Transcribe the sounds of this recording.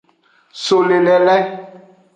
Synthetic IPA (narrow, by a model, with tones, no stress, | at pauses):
so˨le˨lɛ˨lɛ˦